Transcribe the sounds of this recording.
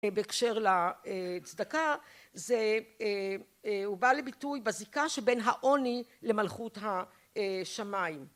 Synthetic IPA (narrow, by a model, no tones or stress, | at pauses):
beekʃe̞ʁlaet͡sdaka | zee | hubalebitujbazikaʃebe̞nɦaʔo̞nile̞malχutɦa | ʃamaim